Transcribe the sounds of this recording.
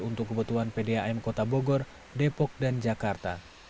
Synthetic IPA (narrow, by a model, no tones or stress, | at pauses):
unt̪ukːəbut̪uɦanpɛdɛaɛmkɔt̪abɔɡɔr | dɛpɔk̚dand͡ʒakart̪a